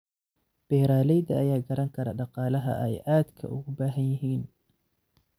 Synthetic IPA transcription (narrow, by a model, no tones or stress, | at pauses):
b̥ɛːɾaːlɛjðɐʔɐjaːɡɐɾɐŋkʰɐɾɐ̰ɖɑqɑːlɐɦɐ̰ʔɛjʔaːd̪kʰɐ̰ʔʊ̰ɣʊbaːɦɐnjɪɦiːn